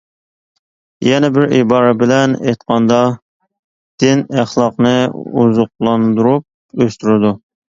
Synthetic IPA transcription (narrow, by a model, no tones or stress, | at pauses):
jɛnɛbɪɾḭbɑːɾɛbɪlɛnejt̪qɑnd̪ɑ | d̪̥ɪnæχlˠɑqnɨuzʊq̚lˠɑnd̪uɾup̚ | øst̪yɾɪd̪u